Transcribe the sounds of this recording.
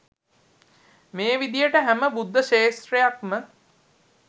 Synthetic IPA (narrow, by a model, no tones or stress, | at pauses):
meːʋid̪ijəʈəɦæməbud̪ʱːəʃeːst̪ɾejakmə